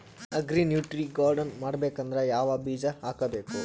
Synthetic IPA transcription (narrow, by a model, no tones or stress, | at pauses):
ɐɡɾinjuːʈɾiɡaːɾɖɐnmaːɽbeːkɐnd̪ɾejaːʋɐbiːd͡ʒɐaːkɐbe̞ːku